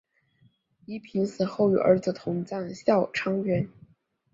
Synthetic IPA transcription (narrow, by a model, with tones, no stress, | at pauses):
i˧˥pʰi˧˥nsɹ̩˨˩xo˥˩ʊy̰˨˩ʔə̰˞˧˥d͡zɹ̩˧˩t̪ʰʊ˧˥ŋt͡sa˥˩nɕjɑ˥˩ʊʈ͡ʂʰɑ˥ŋɥɛ˧˥n